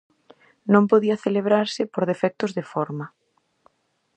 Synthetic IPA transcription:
nõmpoðiɐθeleβɾaɾsɪpoɾðefɛk̚t̪ʊzðefɔɾmɐ

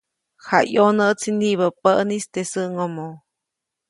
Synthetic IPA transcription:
hajonəʔt͡sʰiniβəpəʔnist̪esəʔŋomo

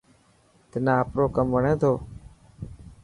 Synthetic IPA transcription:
t̪ɪnãːəpɾoːkəmʋəɳẽːt̪ʰoː

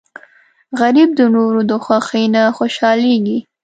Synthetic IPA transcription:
ɣaɾib̚d̪ənoɾod̪əxwaxenaxoʃɑleɡi

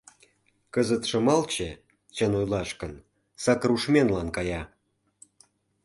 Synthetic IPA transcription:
kəzət̪ʃə̆mɑlt͡ɕə | t͡ɕənojlɑʃkən | sɑkruʃmʲenlɑnkɑjɑ

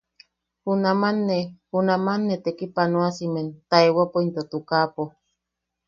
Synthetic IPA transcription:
hunamanːehunamanːet̪ekipanoasiment̪aewapoint̪ot̪ukapo

